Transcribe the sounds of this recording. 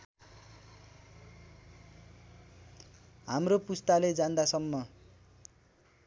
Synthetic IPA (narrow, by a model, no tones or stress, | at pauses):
ɦamropust̪aled͡zand̪asʌmːʌ